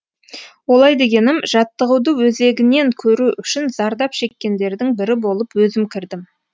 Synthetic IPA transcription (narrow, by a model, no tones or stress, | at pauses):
wo̞lˠɑjd̪e̞ɡʲe̞nɪmʒ̥ɑt̪ːəʁəwd̪əwɵze̞ɡʲɪne̞ŋkʲʰɵɾuʔʏʃɪnzɑɾd̪ɑpʃe̞kʲːe̞nd̪e̞ɾd̪ɪŋbɪɾɪbo̞lˠəpwɵzɪmkʲʰɪɾd̪ɪm